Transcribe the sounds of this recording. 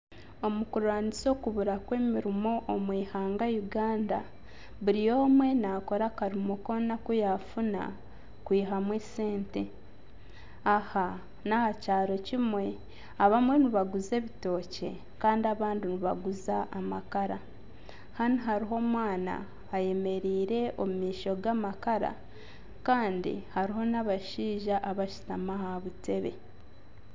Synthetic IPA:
o̞mukuɾaːniso̞kuβuɾakwe̞ːmiɾimo̞ʔːmwiːhaːŋɡajuɡaːnda̰ | βuɾijo̞ːmwe̞nako̞ɾakaɾimuko̞nakujafuna̰ | kwiːɦamwese̞ːnte̞ | aha | nahacaːɾo̞cimwe̞ | aβamwe̞niβaɡuze̞βito̞ːce̞̰ | kaːndiaβaːndiniβaɡuzaʔamakaɾa | haniɦaɾiɦo̞mwaːna̰ː | je̞me̞ɾiːɾe̞ʔo̞mumiːʃo̞ɡamakaɾa̰ | kaːndḭhaɾiɦo̞naβaʃiːʒaʔaβaʃi̥tamahaβute̞βe̞̰

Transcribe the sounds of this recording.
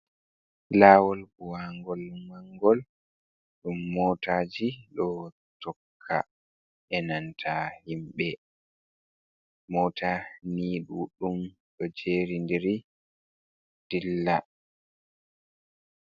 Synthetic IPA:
laːwɔlɡuwaŋɡɔlmaŋɡɔl | ɗumːɔtaːd͡ʒiɗɔ | tɔkʰːa̰ | ʔɛnantʰahimɓɛ | mɔːtʰaniːɗuɗum | ɗɔd͡ʒeːɾindiɾi | d̥ilːa

